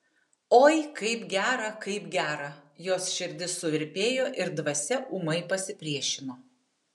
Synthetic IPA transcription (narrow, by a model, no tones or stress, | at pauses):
oːjɪkɐɪpɡʲæːɾɐkɐɪpɡʲæːɾɐjoːsʃʲɪɾʲd̪ʲɪsːʊʋʲɪɾʲpʲeːjoːʔɪɾd̪ʋɐsʲɛʔumɐɪpɐsʲɪpʲɾʲiɛʃʲɪmoː